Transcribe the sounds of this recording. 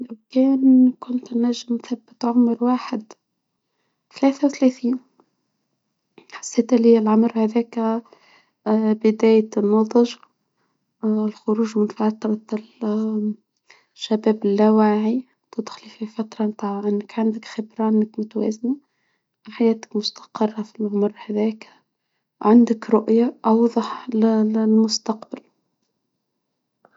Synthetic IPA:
lawkɛːnkʊnt̪nːæʒːɪmnθabːɪt̪ʕʊmɾwaːħɪd̪ | θlɛːθawθlæθiːn | ħḁsːeːt̪liɪlʕʊmɾhæðɛːk | bɪd̪æːjnːɑðˤɑʒ | ɪlxʊɾuːʒmɪnfaʕt̪ːɑɾˤɑt̪l | ʃːæbæːbɪlːæwaːʕi | t̪ʊd̪xlififat̪ɾˤɑnt̪aːʕʕɪnːəkʕand̪əkxɪbɾˤɑɪnːəkmʊt̪wæ̰ːzna | ħajæːt̪ə̥kmʊst̪ɑ̥qərˤːɑfilʕʊmʊɾˤːhæðɛːk | ʕand̪əkɾʊʔjaʔɑwðˤɑħllmʊst̪ɑqbal

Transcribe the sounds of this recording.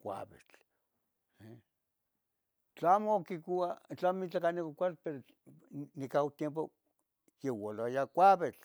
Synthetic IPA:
kʷa̰βet͡ɬ | e | t͡ɬaamokikʷiwat͡ɬamit͡ɬakanikakʷalpeɾo | nikawt̪jemp̬o | jewalajakʷaβet͡ɬ

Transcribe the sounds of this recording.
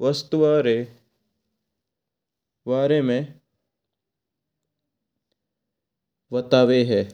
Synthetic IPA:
ʋɐst̪uʋaːɾe | ʋaːɾemẽ | ʋɐt̪aːʋeɦɛː

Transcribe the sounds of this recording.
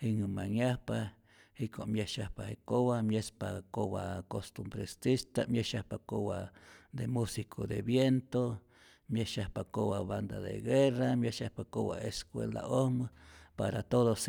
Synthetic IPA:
hiŋɨmaŋjahpa | hikoʔmjeʃahpahekoβamjespakoβakost̪umbɾest̪ist̪amjeʃahpakoβad̪emusikʰod̪eβjent̪o | mjeʃahpakoβaβand̪aðḛɡeramjeʃahpakoβa̰eskwḛld̪a̰ʔohmɨpaɾat̪oðos

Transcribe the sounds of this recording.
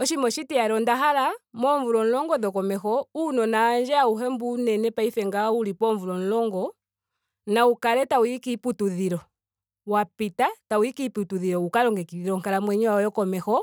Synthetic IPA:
ɔʃimɔʃitiaɾɔndaɦalamɔɱvuɾɔn̩lɔŋɡɔðɔkɔmɛxɔunɔnaːnd͡ʒɛauɦɛmbunɛnɛpaifɛŋɡaulipɔɱvuɾɔn̩lɔŋɡɔ | naukalɛtauikiputuðiɾɔ | wapitatauikiputuðiɾɔukaɾɔŋɡɛkiiɾɔŋkalamwɛɲɛwaɔjɔkɔmɛxɔ

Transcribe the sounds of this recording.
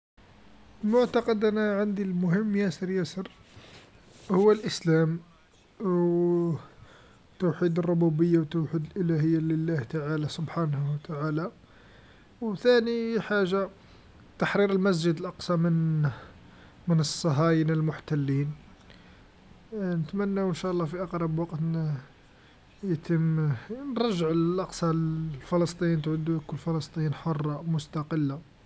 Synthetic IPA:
lmʊʕt̪ɑqɑd̪ʔænaʕand̪ilmʊɦəmːjæsəɾjæsəɾ | hʊwːælʔəslæm | w | t̪uwħid̪ərˤːʊbubəjːawt̪ːuwħid̪əlʔəlæhəjːaləlːæht̪aʕalasʊbħanhwt̪aʕala | wt̪æniħaʒːa | t̪aħɾiɾəlmæs̬d͡ʒəd̪əlʔɑqsˤɑmən | mənəsˤːɑɦɑjinəlmʊħt̪ælːiːn | nət̪mænːawənʃæʔlˤːɑfiʔɑqɾˤɑbwɑqt̪ | jt̪əmnɾˤɑʒːəʕʔɑqsˤɑfɑləst̪ˤijint̪ʕʊd̪ukʊlːfɑlɑst̪ˤijiːnħorˤːɑmʊst̪ɑqəlːa

